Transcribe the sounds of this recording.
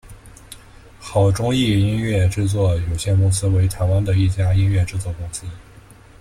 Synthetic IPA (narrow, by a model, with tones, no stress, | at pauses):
xɑ˨˩ʊʈ͡ʂʊ˥ŋi˥˩i˥nɥɛ˥˩ʈ͡ʂɻ̩˥˧t͡swɔ˥˩jo˨˩ʊɕjɛ˥˩nkʊ˥ŋsɹ̩˥we˧˥ɪt̪ʰa˧˥ɪwa˥nd̪ə˨i˥˩t͡ɕja˥i˥nɥɛ˥˧ʈ͡ʂɻ̩˥˧t͡swɔ˥˩kʊ˥ŋsɹ̩˥